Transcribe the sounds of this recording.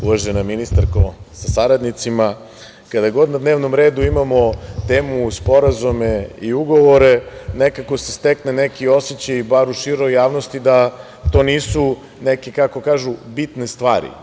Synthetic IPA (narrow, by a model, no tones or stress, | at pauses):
uʋaʒenaminist̪aɾkosasaɾad̪nit̪sima | kad̪ajɡo̞d̪nad̪neːʋnomɾe̞ːd̪uimamo̞t̪eːmuspo̞ɾazumeiuɡo̞ʋo̞ɾe̞nekako̞sest̪eknenekio̞set͡ɕajibaɾuʃiɾo̞jaːʋnost̪id̪a | t̪o̞ːniːsu | nekekako̞kaːʒubit̪nest̪ʋaːɾḭ